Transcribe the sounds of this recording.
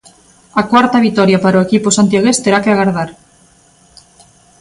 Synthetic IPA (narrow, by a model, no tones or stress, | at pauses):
akwaɾt̪aβ̞it̪ɔɾjapaɾoekiposant̪jaɣest̪eɾakeaɣaɾðaɾ